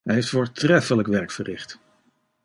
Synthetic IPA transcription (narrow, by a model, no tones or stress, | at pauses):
ɦɛjɦejftfoːɹtrɛfələkʋɛɹkfərɪχt